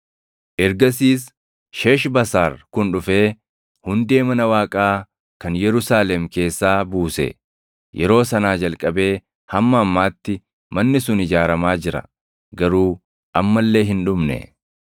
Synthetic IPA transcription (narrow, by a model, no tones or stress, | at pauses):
ʔɛɾɡɐs̬iːs | ʃe̞ːʃbɐsaːɾkʊnᶑʊfe̞ː | hʊnd̪e̞ːmɐnɐwaːkʼaː | kɐnjɛɾʊsaːlɛmke̞ːsːaːbuːsḛ | jʔɛɾo̞ːsɐnaːd͡ʒɐlkʼɐbe̞ː | hɐmːɐːmːaːt̪ːɪ | mɐnːɪsʊnɪd͡ʒaːɾɐmaːd͡ʒɪɾɐ̰ | ɡɐɾuː | ʔɐmːɐlːe̞ːɦɪnᶑʊmnɛ̰